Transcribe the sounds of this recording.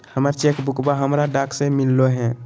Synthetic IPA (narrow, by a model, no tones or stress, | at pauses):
həməɾt͡ʃekbukbaɦəmɾaɖaksẽmilːoɦɛ̃